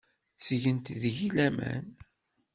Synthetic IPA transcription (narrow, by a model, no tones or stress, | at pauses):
t͡sːʝənt̪ðʝilæmæ̰n